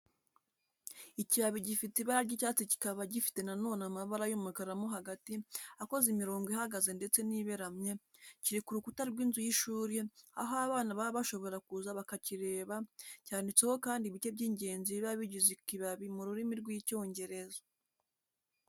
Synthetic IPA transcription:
iciβaβiɟifiteiβaɾaɾɟicaːt͡sici̥kaβaɟifi̥te̞nano̞ːnamaβaɾajomukaɾamoɦaɡatiako̞zimiɾo̞ːŋɡoiɦaɡaze̞nde̞t͡se̞niːβe̞ɾamɲe̞ | ciɾikuɾukutaɾɡwiːnzujiʃuːɾjea̰ɦoaβaːnaβaβaʃo̞βo̞ɾakuzaβakaciɾe̞ːβacaːndit͡se̞ho̞kaːndiβit͡ʃe̞b̚ɟiːɲɟe̞ːnziβiβaβiɟuzikiβaβimuɾuɾimiɾɡwico̞ːɲɟe̞ɾe̞za

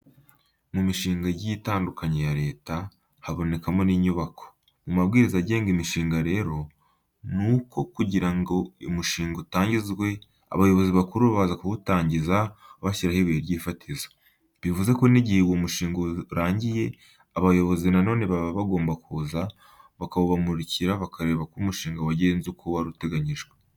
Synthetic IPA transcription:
mumiʃiːŋɡaɟiitaːndukʰaɲejaɾe̞ːta | haβo̞ne̞kamo̞niːɲuβako̞̥ | mumabɡiːɾizaɟe̞ːŋɡimiʃiːŋɡaɾe̞ːɾo̞ | nuːko̞kuɟiɾaŋɡo̞imuʃiːŋɡotaːɲɟizɡwe̞ | a̰βajo̞βo̞ziβakuɾuβaβazakuβutaːɲɟizaβaʃiɾahiβeɾɟiːfatʰizo̥ | βivuze̞ko̞niɟihewomuʃiːŋɡoɾaːɲɟije̞ | aβajo̞βo̞zinano̞ːne̞βaβaβaɡo̞ːmbakuza | βakaβoβamuɾiciɾaβakʰaɾe̞ːβakumuʃiːŋɡawaɟe̞ːnzukʰowaɾute̞ɡaɲiʒɡwe

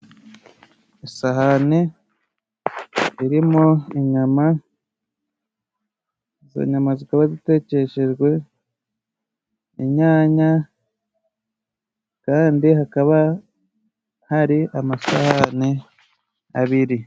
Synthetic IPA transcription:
isaɦane | iɾimoiɲama | za̰ɲamazikaβazite̞ːce̞ʃe̞ʒɡwe̞ | ḭɲaːɲa | kaːndihakaβa | haɾiʔamasahane | a̰βiɾi

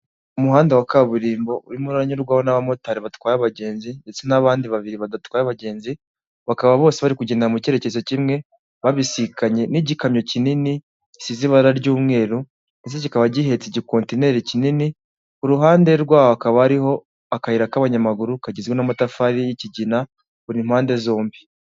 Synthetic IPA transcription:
umuɦaːndewakaβuɾiːmbo̞uɾimuɾaɾaɲuɾɡwahonaβamo̞taɾiβatkwaːjaβaɟe̞ːnziɲe̞t͡senaβaːndiβaβiɾiβadatkwaːjaβaɟe̞ːnzi | βakaβaβo̞ːseβaɾikuɟenaamuceɾecezo̞cimŋe̞ | βaβisikaɲe̞niɟikamɲo̞cinini | siziβaɾaɾɟuːmŋe̞ːɾu | nisecikaβaɟiɦe̞t͡siɟiko̞ːntine̞ɾicinini | uɾuɦaːnde̞ɾɡwaːhoakaβaaɾiho̞ | akahiɾakaβaɲamaɡuɾukaɟizɡwenamatafaɾijiciɟina | βuɾim̥haːnde̞zo̞ːmbi

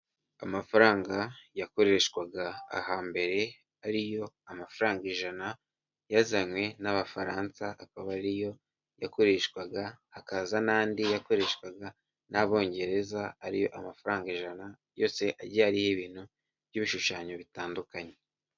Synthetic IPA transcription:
amafaɾaːŋɡajako̞ɾe̞ʃkwaɡa̰ːhaːmbe̞ɾe̞ | aɾijo̞ | amafaɾaːŋɡiʒana | jazaɲwe̞naβafaɾaːnsaakaβaɾijo̞ | jako̞ɾe̞ːʃkwaɡaakazanaːndijako̞ɾe̞ːʃkwaɡa | naβo̞ːɲɟe̞ɾe̞zaaɾijo̞ʔamafaɾaːŋɡeʒanajo̞ːse̞ʔaɾɟaɾihiβiːn̥hu | βjiβiʃuʃaːɲoβitaːndukaɲe̞

